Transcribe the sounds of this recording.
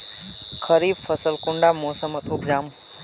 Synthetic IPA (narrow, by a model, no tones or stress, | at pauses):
kʰəɾiːbfəsəlkʊɳɖaːmoːsəmət̪ʰʊkd͡ʒaːm